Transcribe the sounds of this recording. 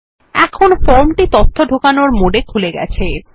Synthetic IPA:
ɛkʰonfɔɾmʈit̪ot̪ʰːoɖʱokanoɾmoɖekʰuleɡɛ̰t͡ɕʰe

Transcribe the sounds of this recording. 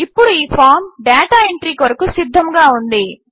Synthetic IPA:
ipːuɽuiːpʰaːɾmɖaːʈaːeɳʈɾiːkʋɐɾɐkusid̪ʱːɐmɡaːund̪i

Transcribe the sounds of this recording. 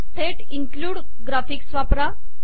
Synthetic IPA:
ʈʰeʈĩŋkluːɽ | ɡɾafiksʋapɾa

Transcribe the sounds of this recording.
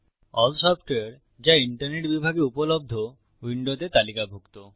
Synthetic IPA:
ɔlsɔpʰʈeaɾ | d͡ʑaiɳʈaɾneʈbibʱaɡeupolob̚d̪ʱo | wiɳɖot̪et̪alikabʱokt̪o

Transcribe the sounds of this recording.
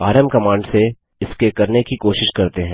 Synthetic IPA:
aːɾəmkɐmãːɳɖse | ɪskekɐɾnekikoːʃɪʃkɐɾt̪eɦɛ̃ː

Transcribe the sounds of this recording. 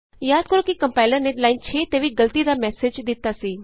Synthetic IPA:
jaːd̪̚kəɾokikɐ̃mpaːɪləɾneɖlaːɪnt͡ʃʰet̪eːʋiɡɐlt̪id̪amɛːsed͡ʒd̪ɪt̪ːasiː

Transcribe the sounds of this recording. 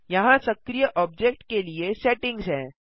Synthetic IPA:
jɐɦãsəkɾijəʔɔːb̚d͡ʑek̚ʈkelieseʈɪ̃ŋɡsɦɛ̃ː

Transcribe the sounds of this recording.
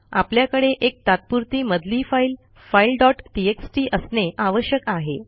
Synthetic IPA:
a̰pljakəɽeʔek̚t̪at̪̚puɾt̪iːməd̪liːfail | failɖɔʈʈieksʈiːʔəsneʔaʋəɕjəkaɦe

